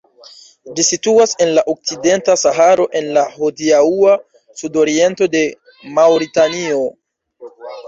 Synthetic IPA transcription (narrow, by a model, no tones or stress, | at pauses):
d͡ʒisituase̞nlaʔo̞k̚t͡side̞ntasaɦaɾo̞ʔe̞nlahodiaua | sudo̞ɾie̞nto̞de̞ | mawɾitanio̞